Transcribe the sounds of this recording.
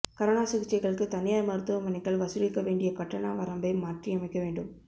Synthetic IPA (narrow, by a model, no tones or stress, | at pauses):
kɐɾɐnaːsɪɣɪt͡ʃːɐɪɣɐɭɯkːɯt̪ɐnɪjaːɾmɐɾɯt̪ːɯʋɐmɐnɪkːɐɭʋɐsɯlɪkːɐʋeːɳɖɪjɐkɐʈːɐnaːʋɐɾɐmbɐɪmːaːʈriɐmɐɪkːɐʋeːɳɖɯm